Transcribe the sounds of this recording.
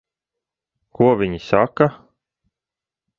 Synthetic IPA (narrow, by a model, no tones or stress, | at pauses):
kuɔvʲiɲisaka